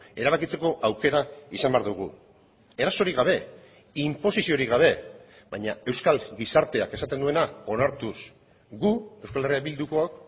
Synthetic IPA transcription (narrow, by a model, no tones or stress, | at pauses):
e̞ɾaβ̞akit͡se̞ko̞ʔawke̞ɾaisambe̞aɾðuɣ̞ṵ | e̞ɾaso̞ɾiɣaβ̞e̞ | impo̞sisio̞ɾiɣaβ̞e̞ | bajɲae̞wskalɡisaɾt̪e̞ake̞sat̪e̞nd̪ue̞nao̞naɾt̪us | ɡue̞wskale̞riaβild̪uko̞ak